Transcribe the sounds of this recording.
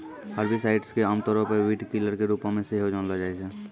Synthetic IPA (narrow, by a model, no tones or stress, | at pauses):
həɾbʱisaɪʈskeamt̪ɔɾopəʋiʈkiləɾkeɾupãmẽseiɦod͡ʒanlad͡ʒaːɛsɛ